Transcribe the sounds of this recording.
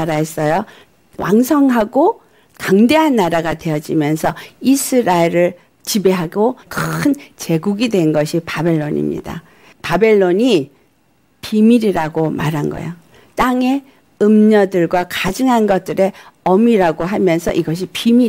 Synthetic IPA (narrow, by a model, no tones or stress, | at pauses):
aɾaes͈ʌjo | wa̰ŋsʰʌŋɦaɡo | kaŋde̞ɦanːaɾaɡadwe̞jʌd͡ʑimjʌnsʰʌisʰɯɾaeɾɯɭ | t͡ɕibe̞ɦaɡokɯɯnt͡ɕe̞ɡuɡidwe̞nɡʌɕʰipabe̞ɭːoɲḭmɲḭda̰ | pabe̞ɭːoɲi | pimiɾiɾaɡoma̰ɾɦanɡʌ̰jo | t͈aŋe̞ | ɯmɲʌdɯɭɡwakad͡ʑɯŋɦanɡʌt̚t͈ɯɾe̞ʌmiɾaɡoɦamjʌnsʰʌ̰ʔiɡʌɕ̬ʰipimi